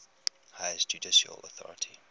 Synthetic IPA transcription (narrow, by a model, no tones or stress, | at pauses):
haɪzd͡ʒudɪʃə̰lɔθɔ̰ɹətʰi